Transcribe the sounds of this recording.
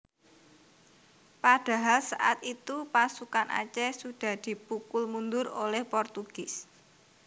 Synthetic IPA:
pad̥a̤ɦalsa̰ʔat̪it̪upasukanʔa̰t͡ʃɛsud̥a̤hd̪̥i̤pukʊlmund̪ʊrolɛhpɔrt̪uɡ̥ɪs

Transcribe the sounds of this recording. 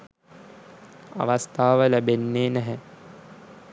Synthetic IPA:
a̰ʋast̪ʰaːʋəlæbenːeːnæɦɛ

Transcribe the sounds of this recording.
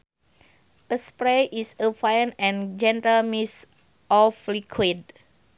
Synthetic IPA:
ʔəspɾeʔisəfãjnɛ̃nd͡ʒɛ̃ntəlmis | ʔɔflikʰwid̚

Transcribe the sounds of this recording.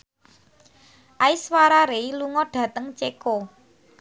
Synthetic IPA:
ʔaiswaɾaɾeiluŋɔɖ̥ä̤t̪əŋt͡ʃeko

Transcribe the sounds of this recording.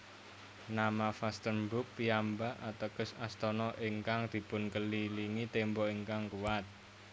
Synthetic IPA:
namafast̪ənbʊk̚piambaʔat̪əkəsast̪ɔnɔʔiŋkaŋd̪̥i̤pʊnkəliliŋit̪embɔiŋkaŋkuwat̪̚

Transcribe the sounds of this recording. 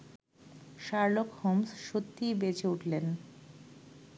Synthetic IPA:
ʃaɾlokhomsʃot̪ːibet͡ɕeuʈʰlen

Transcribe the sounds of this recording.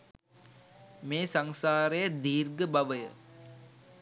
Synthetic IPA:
meːsaŋsaːɾejəd̪iːrɡəbaʋəjə̰

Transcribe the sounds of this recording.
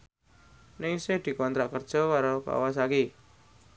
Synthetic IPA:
nɪŋsɪhd̪̥i̤kɔnt̪ɾaʔkərd̥ʒ̥ɔ̤waɾaka̰was̬aki

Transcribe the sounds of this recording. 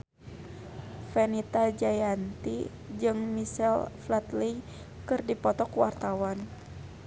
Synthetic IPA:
fɛnit̪ad͡ʒajant̪i | d͡ʒɨŋmisɛlflat̪li | kɨrdipɔt̪ɔkuwart̪awan

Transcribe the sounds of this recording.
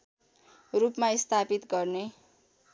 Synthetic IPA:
rupmaist̪ʰapit̪ɡʌrne

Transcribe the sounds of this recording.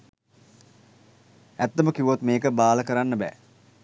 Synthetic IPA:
æt̪ːəməkiʋot̪meːkəbaːləkəɾanːəbɛ̰ː

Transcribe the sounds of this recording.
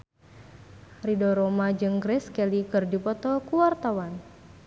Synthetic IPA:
ridɔɾɔmad͡ʒɨŋɡɾɛskɛlikɨrdipɔt̪ɔkuwart̪awan

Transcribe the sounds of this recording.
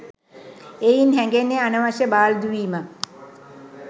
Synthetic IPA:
ejinɦɛŋɡenːeanəʋaʃəbaːld̪uʋiːma

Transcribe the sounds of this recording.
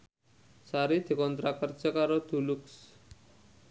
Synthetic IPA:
saɾit̪ʰikɔnt̪ɾakəɾt͡ʃəkaɾɔt̪uluks

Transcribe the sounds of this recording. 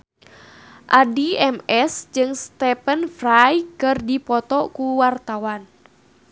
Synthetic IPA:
ʔadiɛmɛsd͡ʒɨŋst̪ɛpənfrajkɨrdipɔt̪ɔkuwart̪awan

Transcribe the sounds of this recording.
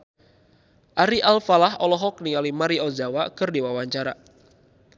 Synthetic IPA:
ʔaɾiʔalfalahɔlɔɦɔk̚niŋalimaɾiɔzawakɨrdiwawaɲt͡ʃaɾa

